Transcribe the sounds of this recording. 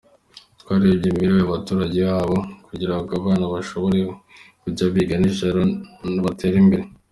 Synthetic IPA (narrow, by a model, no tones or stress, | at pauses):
tkwaːɾibɟimiɾoaβatuːɾaɟe̞βaːβo̞kuɟiɾaβɡaβaːnaβaʃo̞βo̞ɾe̞kuɟaβiɡaniʒaɾonaβatʰe̞ːɾimbe̞ɾe